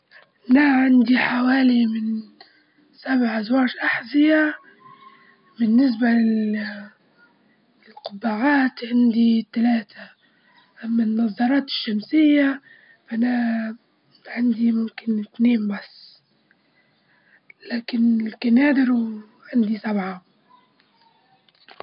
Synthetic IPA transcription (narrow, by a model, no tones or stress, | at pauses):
ʔʔanaʕand̪iħawaːlimɪn | sabʕazwɑːɾʔaħzɪja | bɪnːɪs̬ba | ɪlqʊbːaʕaːt̪ʕand̪it̪alaːt̪ʰa | ʔamːanːɑzˤːɑɾˤɑːt̪ɪ̥ʃːamsɪjːa | fʔana | ʕand̪imʊmkɪnɪt̪neːmbasː | laːkɪnlkanaːd̪ɪɾ | ʕand̪isabʕa